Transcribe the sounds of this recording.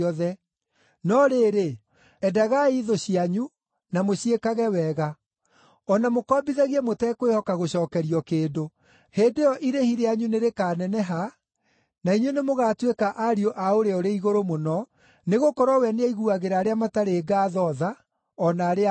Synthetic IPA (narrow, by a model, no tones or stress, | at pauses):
ɔðɛ | nɔɾeːɾe | ɛdaɣaiðoɕiaɲu | namoɕiekaɣɛwɛɣa | ɔnamokɔːbiðaɣiɛmotɛkowehɔkaɣoɕɔːkɛɾiɔkeːdo | heːndejɔʔiɾehiɾeaɲuneɾekaːnɛnɛɦa | naiɲwenemoɣaːtwekaʔaɾioʔaoɾeoɾeiɣoɾomonɔ | neɣokɔɾwɔwɛneaiɣuaɣeɾaːɾeamataɾeːɡaːðɔða | ɔnaːɾea